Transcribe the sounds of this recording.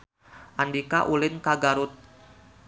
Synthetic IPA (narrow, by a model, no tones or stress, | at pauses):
ʔandikaʔulɪnkaɡaɾʊt̪̚